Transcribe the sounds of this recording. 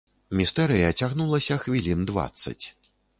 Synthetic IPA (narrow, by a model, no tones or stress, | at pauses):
mʲist̪ɛɾɨjɐt͡sʲaɣnulˠɐsʲɐxvʲilʲind̪va̰t̪sːɐ̰t͡sʲ